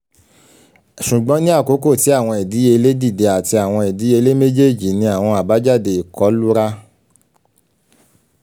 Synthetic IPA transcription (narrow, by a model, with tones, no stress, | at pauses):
ʃu˨ɡ͡bɔ̃˦nĩ˦a˦˨ko˨˦ko˦˨ti˨˦a˦˨w̃ɔ̃˧ɛ˨di˨˦e˧le˦di˦˨de˧a˨ti˧a˨w̃ɔ̃˧ɛ˨di˨˦e˧le˦me˦d͡ʒe˦˨d͡ʒi˨nĩ˧a˨w̃ɔ̃˧a˨ba˨˦d͡ʒa˦˨de˧i˨kɔ˨˦lu˦ɾa˦